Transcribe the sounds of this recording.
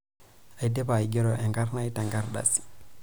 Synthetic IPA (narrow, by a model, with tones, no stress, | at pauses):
a˨jde˦bajɡe˦ɾoʔe˨ŋɡa˦ɾnajta˨ŋɡaɾɗa̰si̥